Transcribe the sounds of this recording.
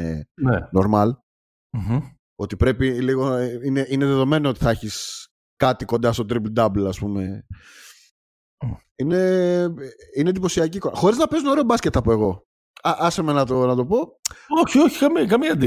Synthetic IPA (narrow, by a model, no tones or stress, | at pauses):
eneno̞ɾmɐl | m̩h̩ | o̞t̪ipɾe̞piliɣoineʔineðeðo̞me̞noot̪i̥θɐeçis | kɐt̪ikond̪ɐst̪o̞t̪ɾibld̪ɐblɐspume̞ | ine̞ | inend̪ip̬o̞siɐcikonxo̞ɾiznɐpiz̬noɾeobɐsce̞t̪ɐpo̞e̞ɣo̞ | ɐʔɐsemenɐt̪onɐt̪o̞po̞oçioçi̥kɐmikɐmiɐd̪i